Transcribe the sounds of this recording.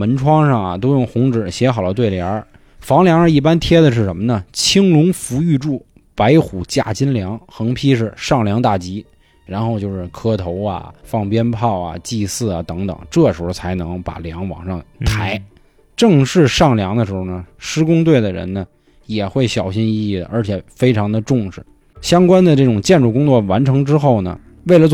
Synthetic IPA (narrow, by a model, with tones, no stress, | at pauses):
mə˧˥nʈ͡ʂʰwɑ˥ŋʂɑ˥˩ŋɐ̰˩t̪o˥ʊjʊ˥˩ŋxʊ˧˥ŋʈ͡ʂɻ̩˨˩ɕjɛ˧˥xɑ˨˩ʊd̪ə˦t̪we˥˩ɪljɑ˧˥ | fɑ˧˥ŋljɑ˧˥ŋə˧i˥˩pa˥nt̪ʰjɛ˥d̪ə˨ʂ̬ɻ̩˥˩ʂə˧˥nmə˧nə˨t͡ɕʰi˥ŋlʊ˧˥ŋfu˧˥y˥˧ʈ͡ʂu˥˩ | pa˧˥ɪxu˨˩t͡ɕja̰˥˩t͡ɕi˥nljɑ˧˥ŋxɤ˧˥ŋpʰi˥ʂɻ̩˥˧ʂɑ˥˩ŋljɑ˧˥ŋt̪a˥˩t͡ɕi˧˥ | ɻa˧˥nxo˥˧ʊt͡ɕjo˥˧ʊʂɻ̩˥˩kʰɤ˥t̪ʰo˧˥ʊɐ̰˨fɑ˥˩ŋpjɛ˥npʰɑ˥˩ʊɐ̰˩t͡ɕi˥˧sɹ̩˥˩ɐ̰˩t̪ɤ˧˥ŋt̪ɤ̰˨˩˦ŋʈ͡ʂɤ˥˩ʂɻ̩˧˥xo˥˩t͡sʰa˧˥ɪnɤ˧˥ŋpa̰˨˩ljɑ˧˥ŋwɑ̰˨˩ŋʂɑ˥˩ŋt̪ʰa˧˥ɪ | ʈ͡ʂɤ˥˧ŋʂɻ̩˥˧ʂɑ˥˩ŋljɑ˧˥ŋd̪ə˧ʂɻ̩˧˥xo˧˩nə˨˩ʂɻ̩˥kʊ˥ŋt̪̬we˥˩ɪd̪ə˩ɻə̰˧˥nnə˧ | jɛ˨˩xwe˥˩ɪɕjɑ˨˩ʊɕi˥ni˥˧i˥˩d̪ə̰˩ʔə˞˧˥t͡ɕʰjɛ˨˩fe˥ɪʈ͡ʂʰɑ˧˥ŋd̪ə˧ʈ͡ʂʊ˥˩ŋʂɻ̩˨˩ | ɕjɑ˥ŋkwa˥nd̪ə˨ʈ͡ʂɤ˥˩ʈ͡ʂʊ˨˩ŋt͡ɕjɛ˥˧nʈ͡ʂu˥˩kʊ˥ŋt͡swɔ˥˩wa˧˥nʈ͡ʂʰɤ˧˥ŋʈ͡ʂɻ̩˥xo˥˩ʊnə̰˩ | we˥˩ɪlə˩